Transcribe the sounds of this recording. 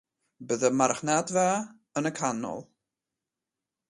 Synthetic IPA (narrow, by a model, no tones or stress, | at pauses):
bəðəmaɾχnatva | ənəkʰanːɔ̰lˠ